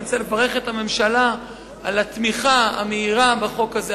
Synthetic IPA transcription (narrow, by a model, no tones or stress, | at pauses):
t͡selevaʁe̞χe̞thame̞mʃalaː | lat̪miχaa̰meiʁabeχo̞kaze